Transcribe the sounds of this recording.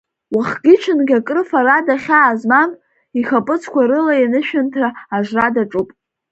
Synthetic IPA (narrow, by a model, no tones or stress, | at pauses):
waχɡʲɪt͡ʃʰɨnɡʲakʼrɨfaɾadaχʲaːzmam | iχapʼɨt͡sʰkʷaɾɨlajanɨʃᶣantʰraaʒʷradaʈ͡ʂʼupʼ